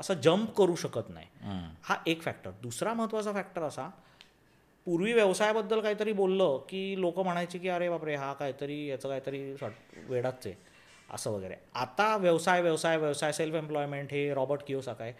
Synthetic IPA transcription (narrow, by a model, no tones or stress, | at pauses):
əsəd͡ʑəmpkəɾuːɕəkət̪na̰ɦjhaʔekfæk̚ʈəɾd̪usɾaməɦət̪ːʋat͡safæk̚ʈəɾəsa | puɾʋiːʋjəʋsajbəd̪ːəlkaɦiːt̪əɾiːbolːəkiːlokəm̤əɽ̃ajt͡ɕiːkiːəɾebapɾeɦakaɦit̪əɾiːjat͡səkaɦit̪əɾiːsaʈʋeɽat͡se | ə̰səːʋəɡə̰ɾḛat̪aʋjəʋsajʋjəʋsajʋjəʋsajselfemplɔjmeɳʈɦeɾɔbəɾʈkiosakaj